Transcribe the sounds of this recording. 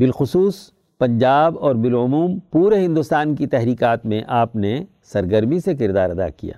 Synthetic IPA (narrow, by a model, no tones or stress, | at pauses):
bɪlxʊsuːs | pɐ̃ɲd͡ʒaːbɔːɾbɪlʊmuːmpuːɾeɦɪ̃nd̪ʊst̪aːnkit̪ɛɦɾiːkaːt̪mẽʔaːpne | sɐɾɡəɾmisekɪɾd̪aːɾɐd̪a̰kḭja̰ː